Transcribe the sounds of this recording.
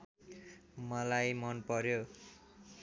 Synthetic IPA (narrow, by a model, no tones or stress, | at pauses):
mʌlajmʌnpʌɾjo